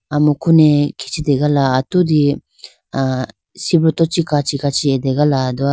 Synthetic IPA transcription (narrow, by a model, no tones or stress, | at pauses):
amukʰunekʰi̥t͡ʃʰid̪eɡalaːt̪ud̪i | a | sibɾɔt̪ɔt͡ʃikat͡ʃikat͡ʃʰied̪eɡalad̪ua